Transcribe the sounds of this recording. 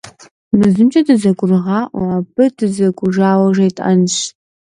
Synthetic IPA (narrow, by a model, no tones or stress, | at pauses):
mɨzɨmt͡ʃʼɐdɨzɐɡʷʼʊrʁɑːʔwaːbɨdɨzɐɡʷʼʊʒaːwɐʒɐjtʼɐ̰nɕ